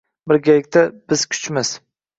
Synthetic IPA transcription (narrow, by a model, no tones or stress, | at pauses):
bɪɾɡʲalɪk̚ʲt̪ʰab̥ɪz̥kʲʰʊ̥t͡ʃmɪs